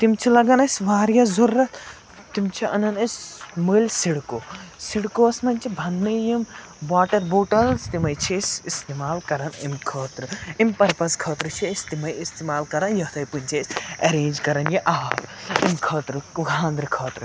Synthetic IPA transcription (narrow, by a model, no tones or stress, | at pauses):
t̪imt͡ʃʰilɐɡɐnɐsʲʋaːɾjɐːzuɾːɐt̪ | t̪imt͡ʃʰiɐnɐnɐsʲməːlʲsiɽkoːsiɽkoːɐsmɐnʲt͡ʃʰibʱɐnːɐjim | ʋaːʈɐɾbuːʈɐlst̪imɐjt͡ʃʰeːsist̪eːmaːlkɐɾɐnimkʰɐːt̪ɾɨimʲpɐɾpɐskʰɐːt̪ɾɨt͡ʃʰist̪imɐjist̪eːmaːlkɐɾɐnjɐt̪ʰɐjpɨnʲt͡ʃʰeːsʲɐɾeːnd͡ʒkɐɾɐnjiʔaːpimkʰɐːt̪ɾɨɡʱãːnd̪ɾɨkʰɐːt̪ɾɨ